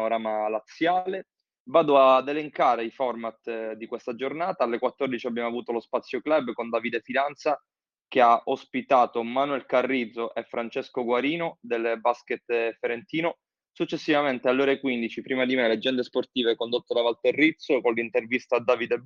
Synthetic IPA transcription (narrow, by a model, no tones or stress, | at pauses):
oɾaːmalat̪sːjaːle | vaːd̪oad̪ːeleŋkaːɾeifɔrmat̪d̪ikwest̪ad͡ʒornaːt̪aalːekwat̪ːɔrd̪it͡ʃiabjaːmoavuːt̪olospat̪sːjoklɛbːkond̪aːvid̪efilant̪sa | keaʔospit̪aːt̪omanuɛlkarːid̪zoʔefɾant͡ʃeskoɡwaɾiːnod̪elbasket̪feɾent̪iːno | sut͡ʃːesːivament̪ealːeɔːɾekwind̪it͡ʃipɾiːmad̪imelead͡ʒːɛnd̪esport̪iːvekond̪ot̪ːod̪avalt̪erːit̪sːokonlint̪ervist̪ad̪aːvid̪e